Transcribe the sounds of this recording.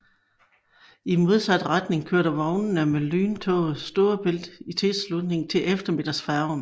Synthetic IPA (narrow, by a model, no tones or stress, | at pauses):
imo̝ð̞ˠsæd̥ʁad̥ne̝ŋkʰøɐ̰ɾ̥ɐʋɒʊnn̩æmelyːnt͡sʰɔ̰ːð̩ˠsd̥o̝ːɐb̥e̝l̰d̥it͡sʰe̝lslud̥ne̝ŋt͡sʰe̝lʔefd̥ɐme̝d̥ɐsfæɐn